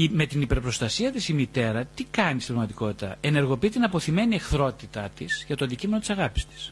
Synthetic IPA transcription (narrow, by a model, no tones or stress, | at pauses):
ime̞t̪inipe̞ɾpɾo̞st̪ɐsiɐt̪isimit̪e̞ɾɐt̪ikɐnist̪ipɾɐɣmɐt̪iko̞t̪it̪ɐ̰e̞ne̞ɾɣo̞piit̪inɐpo̞θime̞niexθɾo̞t̪it̪ɐt̪isʝɐt̪o̞ɐnd̪icime̞not̪isɐɣɐpi̥st̪i̥s